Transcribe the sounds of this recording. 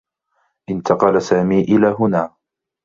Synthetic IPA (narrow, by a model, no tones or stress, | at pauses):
ʔɪnt̪ʰɑqɑlasaːmiːʔɪlaːɦʊnaː